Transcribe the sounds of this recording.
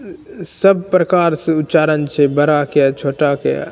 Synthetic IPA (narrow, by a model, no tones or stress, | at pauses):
səb̚pɾəkaːɾseʊtːt͡ʃaːɾənt͡ʃʰebəɾakjat͡ʃʰoːʈaka̰